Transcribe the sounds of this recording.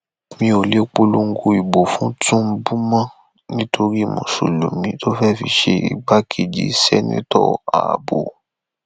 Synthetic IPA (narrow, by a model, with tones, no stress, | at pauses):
mĩ˧o˨le˦k͡po˦lu˦ŋ̩˦ɡu˧i˨bo˨fũ˦tũ˦m̩˦bu˦mã˦ | nĩ˦tʰo˧ɾi˦˨mṵ̃˨ʃṵ˨lu˨mĩ˦tʰo˦fɛ˦˨fḭ˧ʃe˦ḭ˨ɡ͡ba˦kʰe˨d͡ʒḭ˦sɛ̰˦nḭ̃˦tɔ̰˦˨a̰˨bo˨